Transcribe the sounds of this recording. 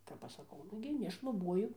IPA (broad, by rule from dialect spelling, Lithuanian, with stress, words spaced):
kɐp ˈɐʃ sɐˈkɐʊ ˈnʊɡʲɪ nʲɛʃlˠʊˈbuɔjʊ